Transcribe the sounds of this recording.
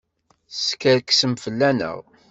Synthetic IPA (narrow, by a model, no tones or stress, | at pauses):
skəɾksəmfəlːænə̰ʁ